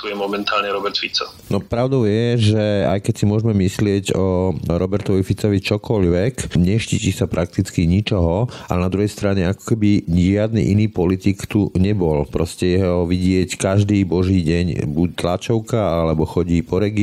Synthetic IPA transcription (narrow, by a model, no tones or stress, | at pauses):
t̪ujɛmɔmɛnt̪aːlɲɛɾɔbɛɾt̪fit͡sɔ | nɔpɾaʊd̪ɔʊjɛʒɛa̰jkɛcsimʊɔʒɛmɛmislɪɛɟɔɾɔbɛɾt̪ɔʋifit͡sɔʋit͡ʃɔkɔʎʋɛkɲɛʃcicisapɾʔak̚t̪it͡skiɲit͡ʃɔɦɔa̰lnad̪ɾuɦɛjst̪ɾaɲɛakɔ̥kɛbiʒɪad̪nḭːʔiniːpɔlit̪ikt̪uɲɛbɔlpɾɔscɛjɛɦɔʋiɟɪɛckaʒd̪iːbɔʒiːɟɛɲbuc̚t̪lat͡ʃɔʊkaalɛbɔxɔɟiːpɔɾɛɡi